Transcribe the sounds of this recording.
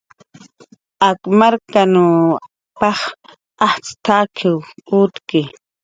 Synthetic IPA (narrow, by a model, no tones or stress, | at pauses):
akmaɾkanu | pɑχ | aht͡st̪akʰɪwut̪kɪ